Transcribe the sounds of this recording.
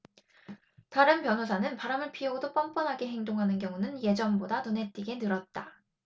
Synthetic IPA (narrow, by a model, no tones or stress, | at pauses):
taɾɯnpjʌnɦosʰanɯnpaɾamɯɭpʰioɡodop͈ʌmp͈ʌnɦaɡeɦe̞ŋdoŋɦanɯnkjʌŋunɯnje̞d͡ʑʌmbodanonɦe̞t͈iɡe̞nɯɾʌt̚t͈a